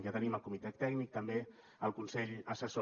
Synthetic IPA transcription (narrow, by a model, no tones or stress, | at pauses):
jat̪əniməlˠkumit̪ɛt̪ːɛɡnik̚t̪əmbe | əlˠkunseʎəsəso